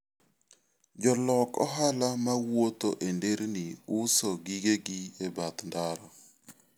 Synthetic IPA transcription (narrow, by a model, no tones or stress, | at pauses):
d͡ʒɔlɔkɔ̰ɦalamawot̪oʔendeɾniʊsɔɡiɡeɡiebat̪ndaɾɔ